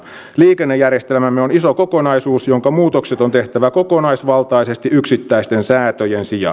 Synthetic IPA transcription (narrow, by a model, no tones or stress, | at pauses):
liːkenːejːærjest̪elmæmːeonisoko̞konɑisuːsjoŋkɑmuːt̪okset̪ont̪e̞ht̪æʋæko̞konɑisʋɑlt̪ɑisest̪iyksit̪ːæist̪ensæːt̪øjensijɑ̰